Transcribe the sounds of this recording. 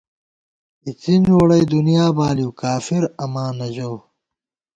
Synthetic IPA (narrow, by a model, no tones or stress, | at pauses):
it͡sinoːɽɐjd̪unijaːbaːliwkaːfiɾɐmaːnɐʑow